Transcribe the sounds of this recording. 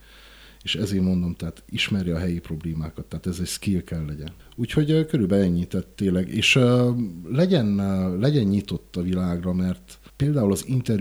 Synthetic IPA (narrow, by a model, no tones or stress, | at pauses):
eːʃɛzeːmmo̞nd̪o̞mt̪ɛɦaːt̪iʃmɛɾjiɒɦɛjipro̞bleːmaːkɒt̪ːɛːt̪ɛzɛcskilkɛlːɛɟɛn | uːcho̞ɟkøɾyːlbɛɛɲːit̪ɛt̪ːeːnlɛɡḛːʃ | lɛɟɛnlɛɟɛɲɲit̪o̞t̪ːɒvilaːɡrɒmɛrt̪peːld̪aːulɒzint̪ɛr